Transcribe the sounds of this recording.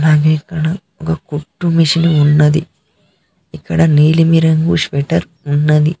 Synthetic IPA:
naːɡikɐɳɐ | ɔkɐkuʈːumiʂiniunːɐd̪ḭ | ikːɐɽɐniːlimiɾɐŋɡuʂʋeʈɐɾ | unːɐd̪i

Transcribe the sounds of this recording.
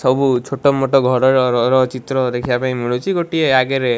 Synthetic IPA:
sɔbut͡ʃʰoʈɔmɔʈɔɡʱɔɾɔɾɔɾɔɾɔt͡ʃit̪ɾɔd̪ekʰijapaĩmiɭot͡ʃʰiɡoʈieaɡeɾe

